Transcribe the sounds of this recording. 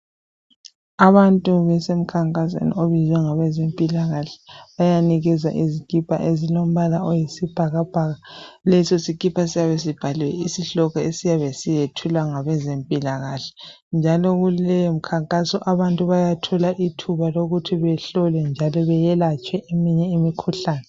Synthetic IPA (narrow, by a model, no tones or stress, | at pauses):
aβantʼuβɛsem̩kʰaŋkʼas̬ḛnḭoβizwɛŋaβɛzempʼilaɣaɬɛ̥βajaniɣɛza̰ʔizikʼipʰa̰ʔezilom̩βalaojisib̥ʱaɣab̥ʱaɣalɛsosikʼipʰasijaβes̬ib̥ʱaliwɛ̰isiɬɔɣɔesijaβesijetʰulwaŋaβɛzempʼilaɣaɬɛ̥ | nd͡ʒʱalɔɣullɛjɔm̩kʰaŋkʼasɔʔaβantʼuβajatʰɔlaʔitʰuβaloɣutʰiβɛɬɔlɛnd͡ʒʱalɔβɛjɛlat͡ʃʼwɛʔemiɲɛimikʰuɬaːnɛ